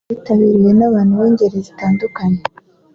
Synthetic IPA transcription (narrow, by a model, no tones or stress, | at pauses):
itaβiɾiwe̞naβaːn̥huβoːɲɟe̞ɾezitaːndukaɲe